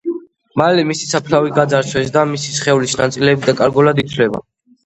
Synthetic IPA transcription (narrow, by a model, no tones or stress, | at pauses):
malɛmisi̥sapʰlaviɡad̪zaɾt͡ʃʰwɛsd̪amisisχɛvlisnat̪sʼilɛːbid̪akʼaɾɡɔlad̪it̪ʰvlɛba̰